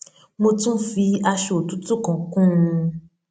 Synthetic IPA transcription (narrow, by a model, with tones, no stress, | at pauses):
mo˧tũ˦fi˧a˧ʃo˨tu˨˦tu˦˨kã˨kũ˦˧